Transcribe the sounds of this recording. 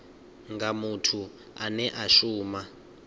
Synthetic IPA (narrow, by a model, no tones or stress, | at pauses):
ŋɡamutʰu | anɛʔaʃuːma